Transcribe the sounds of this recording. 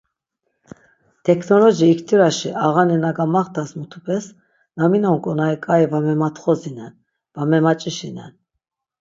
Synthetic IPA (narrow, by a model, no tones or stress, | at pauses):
t̪ʰɛkʰnɔlɔʒiːkʰt̪ʰiɾaʃiʔaʁanɛnaɡamaχt̪ʰasmut̪ʰupʰʼɛs | naminɔŋkʼɔnaikʼaivamɛmat̪ʰχɔzinɛn | vamɛmat͡ʃʼiʃinɛn